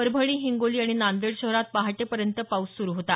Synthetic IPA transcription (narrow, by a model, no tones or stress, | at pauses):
əɾbʱəɽ̃iːɦiŋɡoliːaɽ̃inand̪eɽɕəɦɾat̪̚paɦaʈepəɾjənt̪əpawssuɾuɦot̪a